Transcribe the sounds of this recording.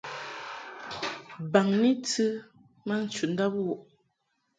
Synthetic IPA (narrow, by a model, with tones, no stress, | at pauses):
ba˨ŋni˦tɨ˦ | ma˦n̩˨t͡ʃu˨n̩˦da˦pwɔ˨ʔ